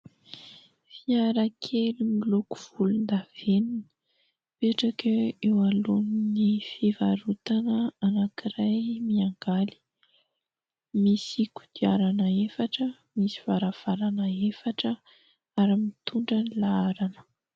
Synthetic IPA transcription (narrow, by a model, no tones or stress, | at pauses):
fiaɾakʰelimiloku̥v̥ulund̪av̥eninə̥ | peʈ͡ʂakəewaluninifivaɾut̪anəanakiɾajmiaŋɡali̥ | misiku̥d̪iaɾanəefaʈ͡ʂə | misiv̥aɾav̥aɾanəefaʈ͡ʂə | aɾimit̪ʰuɳɖ͡ʐanilaaɾanə̥